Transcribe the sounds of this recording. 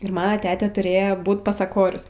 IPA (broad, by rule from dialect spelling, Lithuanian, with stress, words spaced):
ɪr mɐˈnɐ ˈtʲæːtʲeː tʊˈrʲeːjoː ˈbuːt pɐsɐˈkoːrʲʊs